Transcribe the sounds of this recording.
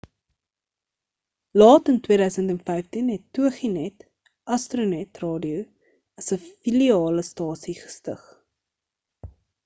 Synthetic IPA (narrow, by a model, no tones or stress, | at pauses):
lɑːtəntwiəɾœɥsəntɛnfɛjftinɦɛtːuəχinɛt | ʔɐstrunɛtrɑːdiu | ɐsəfiliɑːləstɑːsiχə̥stə̰χ